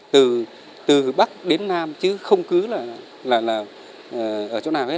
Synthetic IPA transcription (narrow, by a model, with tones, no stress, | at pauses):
t̪ɨ˨˩ | t̪ɨ˨˩ɓa˦˥k̚ɗe˨˦nːaː˧mt͡ɕɨ˨˦xə˧wŋ͡mkɨ˨˦laː˨˩˨ | laː˨˩laː˨˩ | ʔə˨˩ʔəː˧˩t͡ɕo˧˦naː˨˩whe˦˥